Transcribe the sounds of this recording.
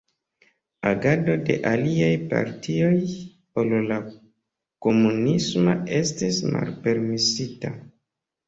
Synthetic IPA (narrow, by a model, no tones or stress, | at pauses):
aɡado̞de̞̰ʔaliajpa̰ɾtʰio̞j | olla | ko̞munismoe̞stisma̰lpe̞ɾmisita